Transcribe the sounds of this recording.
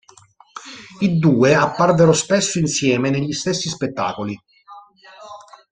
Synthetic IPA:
id̪uːeapːarveɾospesːoinsjɛːmeneʎːist̪esːispet̪ːa̰ːkoli

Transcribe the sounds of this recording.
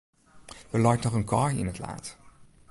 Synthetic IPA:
dəlɑjtnɔχənkʰɑjɪ̰nətla̰ːt

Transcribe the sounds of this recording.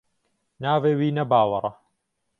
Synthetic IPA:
naːveːwiːnɐbaːwɐɾˤɐ

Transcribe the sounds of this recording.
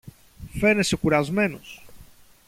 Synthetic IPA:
fenesekuɾazmenos

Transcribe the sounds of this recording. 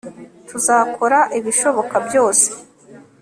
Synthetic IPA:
tʰuzako̞ɾaʔiβiʃo̞βo̞kabjo̞ːse̥

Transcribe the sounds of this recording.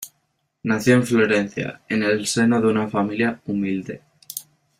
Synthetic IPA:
naθjoeɱflo̞ɾẽnθja̰enelse̞noðeunafamiljaumild̪e̞

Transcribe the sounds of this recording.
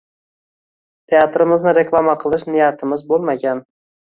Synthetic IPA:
t̪ʰe̞at̪ʰɾɪmɪznɪɾe̞klˠamaqʰɨlˠɪʃnɪjat̪ʰɪmɪzbolˠmaɡʲan

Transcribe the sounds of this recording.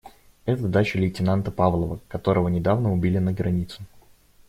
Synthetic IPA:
ɛt̪əd̪at͡ɕɪlʲɪtʲɪnant̪əpavlˠəvəkɐt̪o̞ɾəvənʲɪd̪avnəʊbʲilʲɪnəɡɾɐnʲit̪sʊ

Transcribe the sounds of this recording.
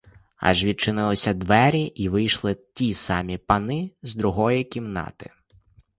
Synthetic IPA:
ɑ̰ʒʋʲid̪̚t͡ʃɪnɪlˠɪsʲɐd̪ʋɛɾʲiʔiʋɪjʃlˠɪt̪ʲisɑmʲipɐnɪzd̪ɾʊɦɔjikʲimnɑ̰t̪ɪ̥̰

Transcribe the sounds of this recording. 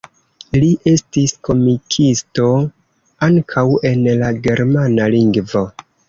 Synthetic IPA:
liʔe̞stiskʰo̞mikʰisto̞ | aŋkʰawe̞nlaɡe̞ɾmanaliŋɡvo̞

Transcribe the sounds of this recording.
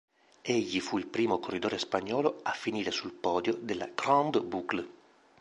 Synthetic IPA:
ɛʎːifuilpɾiːmokorːid̪oːɾespaɲːɔːloafːiniːɾesulpɔːd̪jod̪ela̰kɾand̪bukl

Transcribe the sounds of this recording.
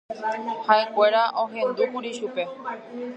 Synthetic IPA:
haekʷe̞ɾaʔõ̞ɦẽ̞nd̪ukuɾiʃupe̞

